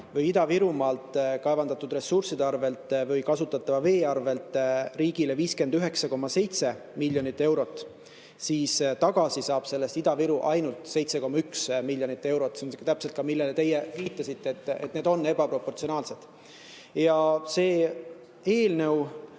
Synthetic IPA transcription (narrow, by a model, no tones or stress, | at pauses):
vɯjid̪̥ɑviɾumɑːlt̪ˑkɑevɑnd̪ɑt̪ːud̪re̞sursid̪eɑrve̞lt̪ːˑvɯjkɑsut̪ːˑɑt̪ːˑɑvɑve̞ːɑrve̞lt̪riːɡ̥ileviːske̞nd̪yɦe̞ksɑko̞mːɑse̞jt̪se̞ | milʲːjo̞nit̪ːe̞wɾo̞t̪ːˑ | siːst̪ɑɡ̥ɑsisɑːb̥se̞lːest̪id̪̥ɑviɾuʔɑjnult̪se̞jt̪seko̞mːɑyksmilːjonit̪ːˑe̞wɾo̞t̪ːsemt̪æpselt̪kɑmilːelet̪e̞jeviːt̪ːˑɑsit̪ːeːt̪ːˑet̪ne̞d̪o̞nːe̞bɑpɾo̞pːo̞rt̪sio̞nɑːlse̞d̪̥ | jɑse̞ː | e̞ːlnew